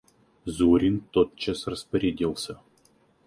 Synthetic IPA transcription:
zuɾʲint̪ot̪̚t͡ʃasrɐspɐɾʲed̪ʲilˠsʲɐ

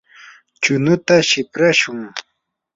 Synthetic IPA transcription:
t͡ʃʊnʊt̪aʃɪpɾaʃʊŋ

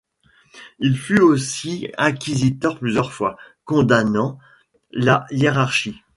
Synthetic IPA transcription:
ilfyosiɛ̃kʲizit̪œʁplyzjœʁfwakɔ̃d̪anɑ̃ | lajeʁaʁʃi

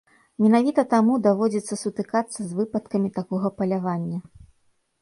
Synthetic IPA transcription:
mʲɛnavʲit̪ɐt̪amud̪avɔd͡zʲɛt̪sːɐsut̪ɨkat̪sːɐzvɨpɐt̪kɐmʲit̪akɔɣɐpɐlʲavanʲːɐ

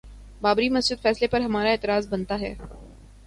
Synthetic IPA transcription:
baːbɾimɐsd͡ʒɪd̪fɛːslepɐɾɦɐmaːɾaeːt̪ɪɾaːzbɐnt̪aɦɛ̰ː

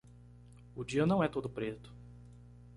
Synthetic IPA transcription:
ʊd͡ʒiɐnɐ̃w̃ɛt̪od̪ʊpɾet̪ʊ̥

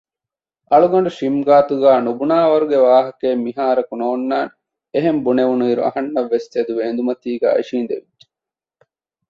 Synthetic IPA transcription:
ɐɭuɡɐɳ̆ɖuʃimɡaːt̪uɡæːnubunaːʋɐɾuɡeʋaːɦɐkeːmːiɦaːɾɐkunoːnːaːn | eɦembuneʋunuiːɾuɐ̰ɦɐnːɐʋːest̪ed̪uʋeːnd̪umɐt̪iːɡæ̰ːḭʃiːnd̪ḛʋidd͡ʒe̥

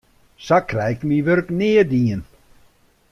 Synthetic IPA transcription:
sakʰrɛjkmiʋøɾknɪədiːən

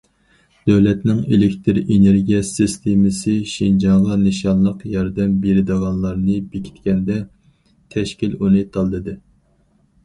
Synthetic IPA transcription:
d̪̥øwlɛt̪nɪŋelɪkʲt̪ʰɪɾeneɾɡʲijɛsɨst̪ʰemɪsɪʃind͡ʒɑŋʁɑnɨʃɑnlˠəqjɑɾd̪ɛmbeɾɪd̪ɨʁɑnlˠɑɾnɨbekʲʰi̥t̪kʲɛnd̪ɛ | t̪ʰɛʃkʲilunɨt̪ʰɑlˠd̪ɨd̪ɨ

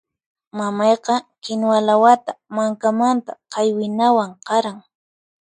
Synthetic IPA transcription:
mamɑjqɑkɪnwalawat̪amaŋkamant̪aqɑjwɪnawaɴqɑɾaŋ

